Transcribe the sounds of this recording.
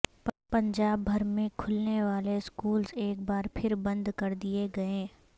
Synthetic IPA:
ppɐ̃ɲd͡ʒaːbːʱɐɾmẽkʰʊlneʋaːleskuːlzeːk̚baːɾpʰɪɾbɐ̃nd̪kɐɾd̪ieɡɐẽː

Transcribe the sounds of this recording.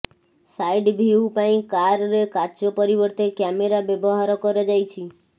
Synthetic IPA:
sajɖbʱiupaĩkaɾːekat͡ʃopəɾiʋəɾt̪ekɛmeɾabjəboɦaɾokəɾed͡ʒajt͡ʃʰi

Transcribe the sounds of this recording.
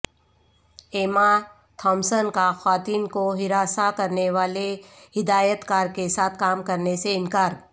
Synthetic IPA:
eːma | t̪ʰɔ̃ːmsənkaxaːt̪iːnkoɦɪɾaːsakɐɾneʋaːlehɪd̪aːjət̪kaːɾkesaːt̪ʰkaːmkɐɾneseɪnkaːɾ

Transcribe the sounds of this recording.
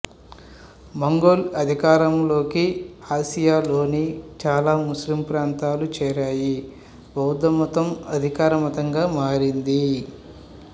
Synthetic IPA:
mɐŋɡoːlɐd̪ʱikaːɾɐmlo̞ːkiaːsijaːlo̞ːnit͡ʃaːlaːmuslimpɾaːnt̪aːlut͡ʃɛːɾaːji | bɐwd̪ɐmɔt̪ɐmɐ̰d̪ʱikaːɾɐmɐt̪ɐŋɡaːmaːɾind̪i

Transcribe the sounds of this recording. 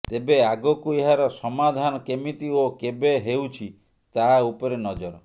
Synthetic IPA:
t̪ebeaɡɔkueɦaɾɔsɔmad̪ʱanɔkemit̪iokebeɦewt͡ʃʰi | t̪aupɔɾenɔd͡ʒɔɾɔ

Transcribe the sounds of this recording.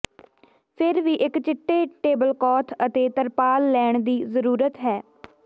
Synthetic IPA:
pʰɪɾʋiːʔɪkt͡ʃɪʈːeːʈeːbəlkɔːt̪ʰət̪eːt̪əɾpaːlːɛːɳd̪iːzəɾuːɾət̪ɦɛː

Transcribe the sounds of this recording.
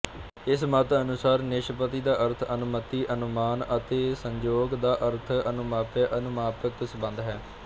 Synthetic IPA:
ɪsmət̪ənʊsaːɾneːʃəpət̪iːd̪aːʔəɾt̪ʰənʊmət̪iːʔənʊmaːnət̪eːsəɲd͡ʒoːɡd̪aːʔəɾt̪ʰənʊmaːpəʔənʊmaːpəksbə̃nd̪ɦɛː

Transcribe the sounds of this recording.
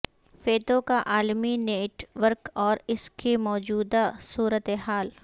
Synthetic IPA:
feːt̪õkaʔaːlmineːʈʋəɾkɔːɾɪskemɔːd͡ʒuːd̪asuːɾət̪eɦaːl

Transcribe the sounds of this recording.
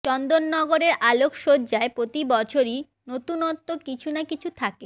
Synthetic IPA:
t͡ɕɔnd̪onːɔɡoɾeɾalokʃod͡ʑaepɾot̪ibɔt͡ɕʰoɾi | not̪unɔt̪ːokit͡ɕʰunakit͡ɕʰut̪ʰake

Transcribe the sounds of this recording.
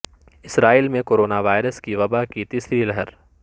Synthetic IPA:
ɪsɾaːiːlmẽkoːɾoːnaʋaːɪɾəskiʋɐbakit̪iːsɾilɐɦəɾ

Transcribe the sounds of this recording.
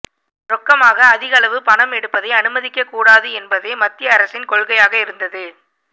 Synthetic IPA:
ɾɔkːɐmaːɣɐːðɪɣɐlɐʋɯpɐɳɐmɛɽɯpːɐðɐɪɐnɯmɐðɪkːɐkːuːɽaːðɯɛnbɐðeːmɐt̪ːɪjɐːɾɐsɪnkɔɭɣɐjaːɣɐɪɾɯnd̪ɐðɯ

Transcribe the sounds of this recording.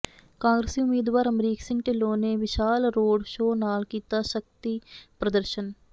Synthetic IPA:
kãːŋɡɾesiʊmiːd̪ʋaːɾəmɾiːksɪ̃ŋʈɪloːneʋɪʃaːlɾoːɖʃoːnaːlkiːt̪aːʃək̚t̪ipɾəd̪əɾʃən

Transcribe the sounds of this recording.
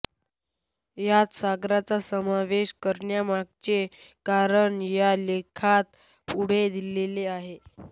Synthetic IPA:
jat̪saɡɾat͡sasəmaʋeɕkəɾɳjamaɡ̚t͡ɕekaɾəɳjalekʰat̪ | puɽ̤ed̪ileleaɦe

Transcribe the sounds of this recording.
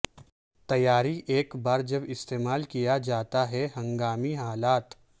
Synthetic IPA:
t̪ɐjaːɾiʔeːkbaːɾd͡ʒɐbɪst̪eːmaːlkijad͡ʒaːt̪aɦɛɦɐ̃ŋɡaːmiɦaːlaːt̪

